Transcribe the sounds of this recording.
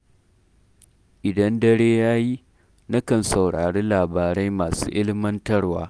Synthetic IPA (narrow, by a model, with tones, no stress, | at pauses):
ʔɪ˨dɐ˦ndɐ˦ɽeː˦jaː˦ji˦ | na˦kɐ˨nsɐ˨wɽaː˨ɽeː˦laː˨baː˨ɽa˦jmaː˨sṵː˦ʔɪ˦lɪ˦mɐ˦ntɐ˦rwa̰ː˦